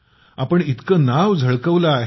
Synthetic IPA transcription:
apəɳit̪kəːnaʋd͡zʱəɭkəʋlaːɦ

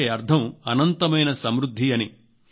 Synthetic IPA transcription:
eɐɾd̪ʱɐmɐnɐnt̪ɐmɐjnɐsɐmɾud̪ʱːiɐni

